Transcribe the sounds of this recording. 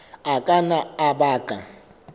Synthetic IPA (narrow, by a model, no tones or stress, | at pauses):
akʼanaabaːkʼa̰